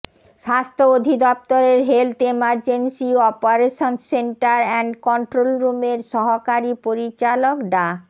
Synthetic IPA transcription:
ʃast̪ʰood̪ʱid̪ɔp̚t̪oɾeɾɦelt̪emaɾd͡ʑensiɔpaɾeʃonseɳʈaɾɛɳɖkɔɳʈɾolɾumeɾʃɔɦokaɾipoɾit͡ɕalokɖa

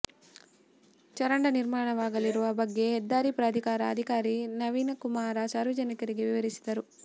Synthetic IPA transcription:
t͡ʃɐɾɐɳɖɐniɾmaːɳɐʋaːɡɐliɾuʋɐbɐɡːe̞ːd̪ːaːɾipɾaːd̪ʱikaːɾɐːd̪ʱikaːɾinɐʋiːnɐkumaːɾɐsaːɾʋɐd͡ʒɐnikɐɾiɡeʋiʋɐɾisi̥d̪ɐɾu

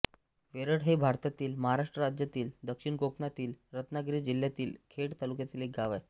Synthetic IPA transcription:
ʋeɾəɽɦebʱaɾt̪at̪iːlməɦaɾaʂʈɾəɾad͡ʑjat̪iːld̪əkʂiɳɡopnat̪iːlɾət̪naɡɾiːd͡ʑil̤ːjat̪iːlkʰeʈt̪alukjat̪iːlek̚ɡaʋaj

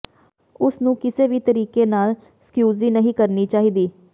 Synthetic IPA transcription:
ʊsnũːkɪseːʋiːt̪əɾiːkeːnaːl | skjuːziːnəɦĩːkəɾniːt͡ʃaːɦiːd̪iː

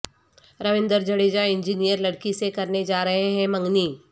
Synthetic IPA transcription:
ɾɐʋɪ̃nd̪əɾd͡ʒɐɽeːd͡ʒaɪ̃nd͡ʒiːnijəɾlɐɽkisekɐɾned͡ʒaːɾɐɦeɦɛ̃mɐ̃ŋɡniː

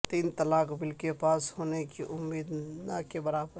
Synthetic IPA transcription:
t̪iːnt̪əlaːkbɪlkepaːshonekiʔʊmːiːd̪nakebəɾabəɾ

